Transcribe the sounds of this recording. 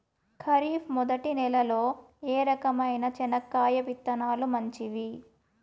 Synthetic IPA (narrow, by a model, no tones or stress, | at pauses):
kʰɐɾiːfmɔd̪ɐʈinɛlɐlo̞ː | eːɾɐkɐmɐjnɐt͡ʃɛnɐkːaːjɐpit̪ːɐnaːlumɐɲt͡ʃiʋi